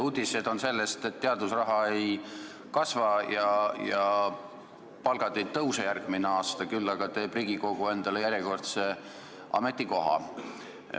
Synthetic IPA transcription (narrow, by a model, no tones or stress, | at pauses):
ud̪̥ʲise̞d̪o̞nse̞lːest̪e̞t̪ːeɑd̪usrɑɦɑe̞j | kɑsvɑjɑjɑ | pɑlɡ̥ɑd̪e̞jt̪ɤwsejærɡ̥mineɑːst̪ɑkylːɑɡ̥ɑt̪e̞ːbriɡ̥iko̞ɡ̥ue̞nd̪̥ɑlejæɾjeko̞rt̪se | ʔɑ̰me̞t̪ːˑiko̞ɦɑ̰